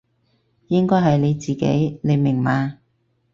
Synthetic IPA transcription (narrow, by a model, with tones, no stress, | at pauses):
jɪ˥ŋkɔː˥jɦɐ˨jle˨˧jt͡siː˨kḛ˨˥jne˨˧jmɪ˨˩ŋmaː˨˧